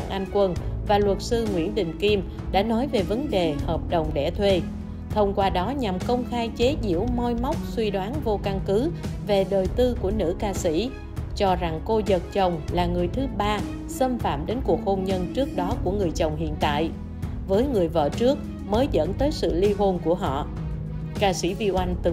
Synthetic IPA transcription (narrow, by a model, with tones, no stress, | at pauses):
a̰ː˧˨ŋʔa˧ŋkwə˧nvaː˨˩lwə˨˩t̚sɨ˧ŋwḭ˧˥ənɗï˨˩ŋ̟ki˧m | ɗa̰ː˧˥nɔ˨˦jve˨˩və˨˦nɗe˨˩həː˨˩p̚ɗə˨˩wŋ͡mɗɛ̰˧˩t̪ʰwe˧ | t̪ʰə˧wŋ͡mkwaː˧ɗɔ˨˦ɲa˨˩mkə˧wŋ͡mxaː˧jt͡ɕe˨˦zḭ˧˩˥əwmɔ˧jma˦˥wk͡p̚swi˧ɗwaː˨˦nvo˧ka˧ŋkɨ˨˦ve˨˩ɗəː˨˩jt̪ɨ˧ku˧˩ənɨ̰˧˥kaː˧sḭ˧˥ | t͡ɕɔ˧za˨˩ŋko˧zə˨˩t̚t͡ɕə˨˩wŋ͡mlaː˨˩ŋɨ˨˩əjt̪ʰɨ˨˦ɓaː˧ | sə˧mfa̰ː˧˨mɗe˨˦nku˨˩ək̚ho˧nɲə˧nt͡ɕɨ˦˥ək̚ɗɔ˨˦ku˧˩əŋɨ˨˩əjt͡ɕə˨˩wŋ͡mɦḭ˧˨ənt̪a̰ː˧˨j | vəː˨˦jŋɨ˨˩əjvə̰˧˨t͡ɕɨ˦˥ək̚ | məː˨˦jzə̰˧˥nt̪əː˨˦jsɨ̰˧˨li˧ɦo˧nku˧˩əɦɔ̰˧˨ | kaː˧sḭ˧˥vi˧wʔa˧jŋ̟t̪ɨ˨˩